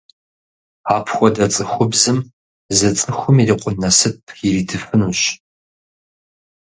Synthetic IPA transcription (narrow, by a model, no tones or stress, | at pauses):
aːpʰxʷɔdɐt͡sʼɨxʷʊbzɨm | zɨt͡sʼɨxʷʊmiriːqʷʊnːɐsɨpʰjɪriːdʰɨfɨnuːɕ